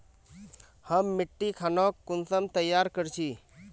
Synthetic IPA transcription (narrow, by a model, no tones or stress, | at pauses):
həmːɪʈːikʰaːnoːkːʊnsəmt̪əjaːɾkəɾt͡ʃʰi